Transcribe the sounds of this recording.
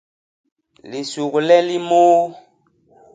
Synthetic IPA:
li˨su˨ɣu˨lɛ˦li˦mo˦

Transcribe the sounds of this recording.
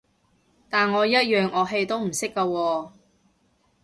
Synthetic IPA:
t̪aː˨nŋɔː˨˧jɐ˥t̚jœː˨ŋɔː˨˧ɦe˨˧jt̪o˥wm̩˨˩sɪ˥kːaː˧wɔː˧

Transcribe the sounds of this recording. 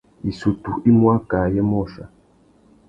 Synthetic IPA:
i˨su˨tu˨ʔi˦mwa˦ka˨jɛ˦mɔ˦˨ʃa̰˨

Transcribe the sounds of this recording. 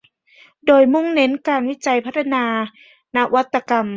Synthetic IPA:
doː˨˩jmu˧˥˨ŋne˧˦˥nkaː˨nwi˦˥t͡ɕa˨jpʰa˦˥t̪ʰa˧naː˧ | na˦˥wa˦˥t̪ːa˧ka˨˩m

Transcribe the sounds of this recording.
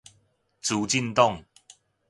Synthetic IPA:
t͡su˨˦t͡ɕi˥˧nt̪ɔ˥˨ŋ

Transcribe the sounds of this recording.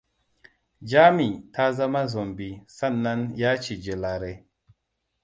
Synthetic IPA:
d͡ʒa˦mi˨ta˦za˦ma˦zo˨mbi˨sa˦˨nːa˦nja˦t͡ʃi˨d͡ʒe˨la˨ɾe˨

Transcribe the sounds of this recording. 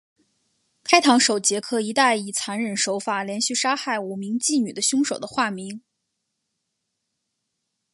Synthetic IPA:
kʰa˥ɪt̪ʰɑ˧˥ŋʂo˨˩ʊt͡ɕjɛ˧˥kʰɤ˥˩i˧˥t̪a˥˩ɪi˨˩t͡sʰa˧˥nɻə˨˩nʂo˧˥ʊfa˨˩ljɛ˧˥nɕy˥˩ʂa˥xa˥˩ɪu˨˩mi˧˥ŋt͡ɕi˥˩ny̰˨˩d̪ə˦ɕʊ˥ŋʂo˨˩d̪ə˦xwa˥˩mi˧˥ŋ

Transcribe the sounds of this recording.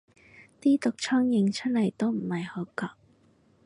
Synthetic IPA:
t̪iː˥t̪ʊ˨k̚t͡ʃʰɔː˥ŋjɪ˧ŋt͡ʃʰɵ˥t̚lɐ˨˩jt̪o˥wm̩˨˩hɐ˨jho˨˧˥kɔː˨˩k̚

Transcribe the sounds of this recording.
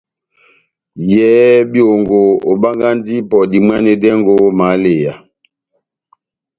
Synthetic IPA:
jɛ˦bi˦o˨ŋɡo˨o˨ba˦ŋɡa˦ndi˦pɔ˨di˨mwa˦ne˨dɛ˦ŋɡo˦ma˨˦le˨ja˨

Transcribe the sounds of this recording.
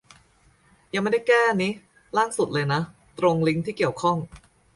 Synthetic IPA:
jaː˨˧ŋma˥˩da˥˩kɛː˥˩niː˦˥ | laː˥˩ŋsu˨˩t̪̚lɤː˧jna˦˥ | t̪ɾo˧ŋli˦˥ŋt̪ʰiː˥˩ki˨˩əwkʰɔ˥˩ŋ

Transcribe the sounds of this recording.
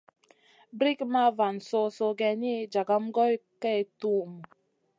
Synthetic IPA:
bɾi˦kma˦˨va˨nso˦so˦˨ɡɛ˨ni˦d͡ʒa˨ɡa˦mɡɔ˦jkɛ˦˨tu˦˨m˨

